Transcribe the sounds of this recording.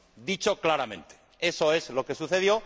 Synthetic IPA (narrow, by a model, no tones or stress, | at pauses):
d̪it͡ʃoklaɾamẽ̞nt̪e̥ | e̞so̞e̞zlo̞ke̞suθe̞ðjo̞